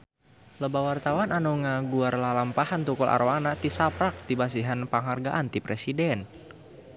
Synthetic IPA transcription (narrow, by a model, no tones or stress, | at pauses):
ləbawart̪awananuŋaɡuarlalampahant̪ukɔlʔa̰ɾoanaʔt̪isapɾak̚t̪ibas̬iɦanpaŋɦarɡaʔant̪ipɾesidɛn